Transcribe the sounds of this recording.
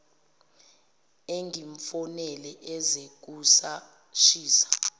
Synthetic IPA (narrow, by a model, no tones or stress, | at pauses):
eŋɡʱiɱfɔnɛlɛʔɛzek̬usa | ʃiːsḁ